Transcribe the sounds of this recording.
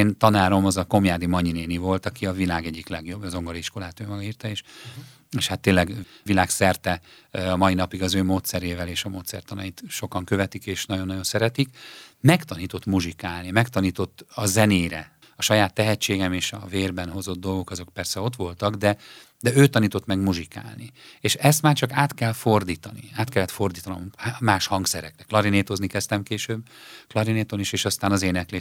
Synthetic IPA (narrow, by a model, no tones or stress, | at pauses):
eːnt̪ɒnaːɾo̞mɒzɒko̞mjaːd̪imɒɲineːnivo̞lt̪ɒkiɒvilaːɡɛɟːiklɛɡjo̞bzo̞ŋɡoliʃko̞laːt̪øːmɒɡɒiːrt̪ɒeːʃ | eːʃhat̪ːeːlːɛɡvilaːksɛrt̪ɛɒmɒinɒpiɡɒzøːmoːt̪sɛɾeːvɛleːʃɒmoːt̪sɛ̰rt̪ɒnɒjit̪ʃo̞kɒŋkø̞vɛt̪ikeːʃnɒɟonːɒɟo̞nsɛɾɛt̪ikmɛkt̪ɒniːt̪o̞t̪muʒikaːlnimɛkt̪ɒniːt̪o̞t̪ːɒzɛneːjɾɛ̰ | ɒʃɒjaːt̪ːɛɦɛt͡ʃːeːɡɛmeːʃɒ̰veːrbɛnɦo̞zo̞d̪̚ːo̞lɡo̞kɒzo̞k̚pɛrsɛot̪ʋo̞lt̪ɒɡd̪ɛ | d̪ɛøːt̪ɒniːt̪o̞t̪mɛɡmuʒika̰ːlnieːʃɛst̪maːrt͡ʃɒkaːt̪kɛlfo̞rd̪iːt̪ɒnḭaːt̪kɛlːɛt̪fo̞rd̪iːt̪ɒno̞̰mhamaːʃhɒŋksɛɾɛ̰krɛklɒɾineːt̪o̞znikɛst̪ɛmkeːʃøːbklɒɾineːt̪oniʃeːʃɒst̪aːnɒzeːnɛkleː